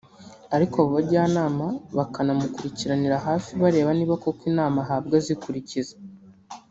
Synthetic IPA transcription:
aɾikaβuβaɾɟaːnaːmaβakʰanamukuɾiciɾaniɾaɦaːfiβaɾe̞ːβaniːβako̞kwiːnaːmaɦaːbɡazikuɾiciza

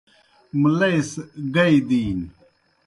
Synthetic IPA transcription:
mlɐjsɡɐid̪iːn

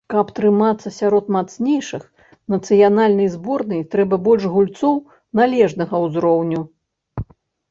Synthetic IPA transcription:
kɐpt̪ɾɨmat̪sːɐsʲaɾɔt̪mat̪snʲɛjʂɨx | nɐt̪sɨjanalʲnɐjzbɔrnɨjt̪ɾɛbɐbɔlʲʐɣulʲt̪sɔw | nalʲɛʐnɐɣɐwzɾɔwnʲu

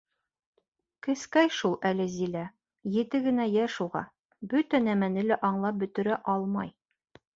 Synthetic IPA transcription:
kɘ̆skæjʃulˠælɘzilæ | jɘ̆t̪ɘɡɘ̆næjæʃuʁɑ̰ | bɵt̪ænæmænɘlæʔɒɴlˠɑp̚bɵ̆t̪ɘ̆ɾæʔɒlˠmɑj

